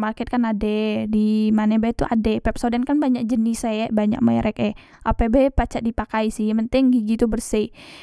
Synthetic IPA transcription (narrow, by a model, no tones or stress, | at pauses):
markɛt̪̚kanadɛdimanebet̪uʔa̰dɛpɛp̚sodankanbaɲak̚d͡ʒənisajaʔbaɲa̰k̚maɾʔɛkɛ | ʔapebepat͡ʃaʔdipakaisɪhpənt̪ɪŋɡiɡit̪ubərsi